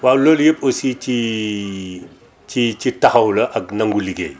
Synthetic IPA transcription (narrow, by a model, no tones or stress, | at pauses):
waːwloljep̚osit͡ʃi | t͡ʃit͡ʃitaxɐwlɐʔɐk̚nɐŋɡulikḛː